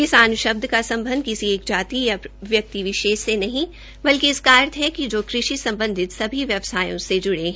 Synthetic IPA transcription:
kɪsaːnʊʃɐb̚d̪ʱəkasɐ̃mbʱə̃nd̪̚kɪsieːk̚d͡ʒaːt̪ijaʋjɐk̚t̪iʋɪʃeːʃsenɐɦĩ | bɐlkiɪskaːɾt̪ɦɛkid͡ʒoːkɾɪʃisɐ̃mbə̃nd̪ʱɪt̪sɐbʱiʋjɐʋsaːjõsed͡ʒʊɽe

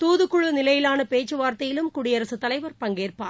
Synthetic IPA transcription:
t̪uːðɯkːʊɻɯnɪlɐjɪlaːnɐpeːt͡ʃːɯʋaːɾt̪ɐjɪlɯmkʊɽɪjɐɾɐsɯt̪ːɐlɐɪʋɐɾpɐŋɡeːrpa̰ː

